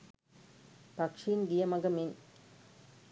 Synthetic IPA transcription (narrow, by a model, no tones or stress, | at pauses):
pɐkʂinɡijɐmɐɡɐmin